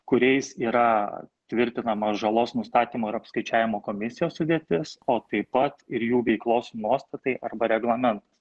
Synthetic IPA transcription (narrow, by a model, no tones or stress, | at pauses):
kʊɾʲɛɪsiːɾɐt̪ʲʋʲɪɾʲt̪ʲɪnɐmɐsʒɐlˠoːsnʊst̪ɑːt̪ʲiːmoːɪɾɐpskɐɪt͡ʃʲæːʋʲɪmoːkoːmʲɪsʲɪjoːssʊd̪ʲeːt̪ʲɪsoːt̪ɐɪpɐt̪ɪɾjuːʋʲɛɪklˠoːsnuɔst̪ɐt̪ɐɪʔɐrbɐɾʲɛɡlˠɐmʲɛnt̪ɐ̥s